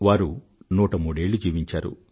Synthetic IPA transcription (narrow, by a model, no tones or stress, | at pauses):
ʋaːɾu | nuːʈɐmuːɽe̞ːɭːud͡ʒiːʋiɲt͡ʃaːɾṵ